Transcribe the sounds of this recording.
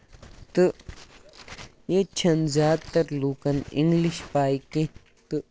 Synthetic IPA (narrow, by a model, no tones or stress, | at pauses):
t̪ɨ | jet͡ʃʰɐnzjaːd̪̚t̪ɐɾluːkɐnḭ̃ŋɡliʃpaːikẽ | t̪ɨ